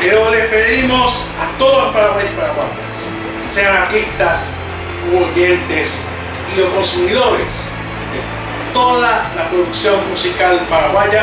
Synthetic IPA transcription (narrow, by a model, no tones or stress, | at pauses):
peɾolespeðimos | at̪oðopaɾaβajpaɾaβajas | seaŋaɾt̪iht̪as | uoʝent̪es | iokonsumiðoɾḛs | d̪e | t̪oðalapɾoðuksjo̞ŋmusikalpaɾaβaja